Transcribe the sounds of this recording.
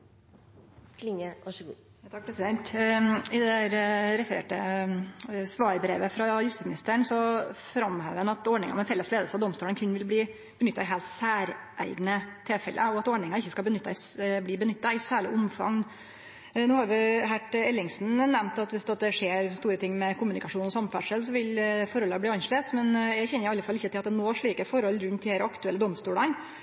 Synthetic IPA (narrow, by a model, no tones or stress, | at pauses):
kʰlɪŋəʋɑʂɡ | t̪ʰɑk̚pʰɾɛsɪd̪ɛnt̪ɪd̪ɛæɾɾɛfəɾḛːʈə | sʋɑːɾbɾḛːʋəfɾɑjʉst̪ismnɪst̪əɳsɔfɾɑmhæːʋənɑt̪ɔɖɳɪŋɑ̰mɛfɛlːəsleːd̪lsɑd̪ɔmst̪uːlənkʰʉnʋɪlbliː | b̥ənʏt̪ːɑɪɦeːlt̪sæːɾ | ʔæ̰ɪɡnət̪ʰɪlfɛ̰lʔə̰ɔɑt̪ɔɖɳɪŋɑɪçːəskɑlbənʏt̪ːɑɪsbliːbənʏt̪ːɑɪsæːɭɪ̰ʔʊmfɑ̰ŋ | noːhɑɾʋɪɦæʈɛlːɪŋsn̩nɛmt̪ɑt̪ʋɪsd̪ɛt̪̚d̪ɛʂeːɾst̪uːɾət̪ʰɪŋːmɛkʰʊmʉnɪkɑʂuːnɔsɑmfæʂəls̬ɔʋɪlfɔɾhɔlːɑb̪iːɑnʂɭeːsmɛnjæɪçɛnːəɾɪɑlːəfɑlːɪçːət̪ɪlɑt̪̚d̪ɛnoːʂɭiːkəfɔɾhɔlːɾʉnt̪̚d̪æɾɑkt̪ʉɛlːəd̪ɔmst̪uːɽən